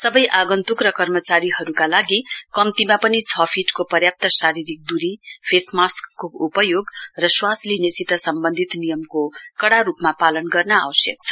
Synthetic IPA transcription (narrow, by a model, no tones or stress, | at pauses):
sʌbʌjʔaɡʌnt̪ukrʌkʌrmʌt͡saɾiɦʌɾukalaɡikʌmt̪imapʌnit͡sʰʌpʰiʈkopʌrjap̚t̪ʌsaɾiɾik̚d̪uɾipʰesmaskːoupʌjoɡrʌswaslinesit̪ʌsʌmbʌnd̪ʱit̪nijʌmkokʌɽaɾupmapalʌnɡʌrnʌa̰wʌsjʌk̚t͡sʰʌ̥